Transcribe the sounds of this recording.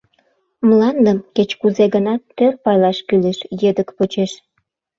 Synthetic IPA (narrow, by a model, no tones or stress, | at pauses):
mlɑnd̪əmket͡ɕkuzeɣənɑt̪ːørpɑjlɑʃkyleʃjed̪əkpot͡ɕeʃ